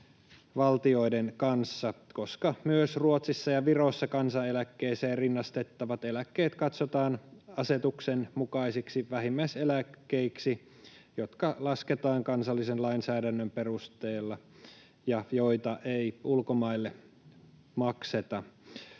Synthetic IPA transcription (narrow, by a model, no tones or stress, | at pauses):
ʋɑlt̪io̞idenkɑnsːɑko̞skɑmyøsruot̪sisːɑjɑʋirosːɑkɑnsɑelækːeiseːrinːɑst̪e̞t̪ːɑʋɑt̪elækːeːt̪kɑt̪sot̪ɑːnɑse̞t̪uksenmukɑiseksiʋæɦimːæiselækːeiksi | jot̪kɑlɑsket̪ɑːŋkɑnsɑlːisenlɑinsæːdænːømpe̞rust̪eːlːɑ | jɑjo̞it̪ɑʔeiulkomɑilːe | mɑkset̪ɑ